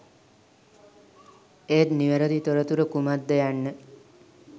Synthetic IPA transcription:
eːt̪niʋəɾəd̪it̪oɾət̪uɾəkumad̪ːəjanːə

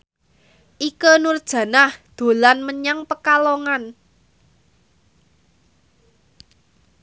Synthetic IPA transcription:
ʔikənurd̥ʒ̥ä̤nahd̪̥o̤lanməɲaŋpəkaloŋan

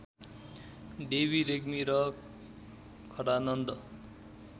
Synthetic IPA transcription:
ɖebiɾeɡmiɾʌ | kʰʌɽanʌnd̪ʌ

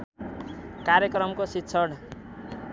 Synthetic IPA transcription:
kaɾjʌkɾʌmkositːsʰʌɽ

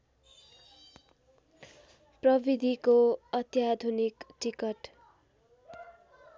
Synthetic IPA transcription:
prʌbid̪ʱikoʌt̪jad̪ʱunikʈikʌʈ

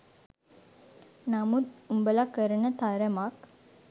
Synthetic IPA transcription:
namud̪umbəlakəɾənət̪aɾəmak

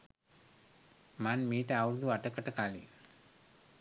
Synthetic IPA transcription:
manmiːʈəawɾud̪uaʈəkəʈəkaːlḭ

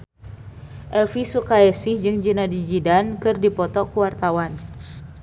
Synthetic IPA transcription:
ʔɛlfisukaɛsihd͡ʒɨŋd͡ʒinadid͡ʒidankɨrdipɔt̪ɔkuwart̪awan

